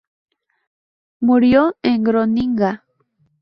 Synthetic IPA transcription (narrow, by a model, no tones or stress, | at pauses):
muɾjoeŋɡɾoniŋɢɑ